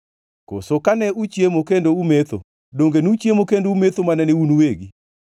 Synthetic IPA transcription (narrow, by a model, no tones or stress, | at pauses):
ko̰sokanɛut͡ʃjemokendoumet̪o̰ | doŋɡenut͡ʃjemokendoumet̪omanɛnɪunuweɡi